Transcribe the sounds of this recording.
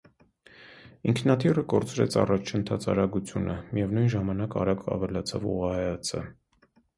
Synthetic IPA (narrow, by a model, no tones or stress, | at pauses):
iŋkʰnɑt̪ʰirəkɔɾt͡sʰɾɛ̰t͡sʰɑ̰rɑt͡ʃʰənt̪ʰɑt͡sʰɑɾɑɡut͡sʰjunəmijɛvnujnʒɑmɑnɑkɑ̰ɾɑɡɑ̰vɛlɑt͡sʰɑ̰vṵʁɑhɛjɑt͡sʰə̰